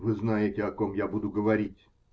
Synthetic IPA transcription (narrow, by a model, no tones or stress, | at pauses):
vɨznajɪtʲɪɐkomjabud̪ʊɡəvɐɾʲitʲ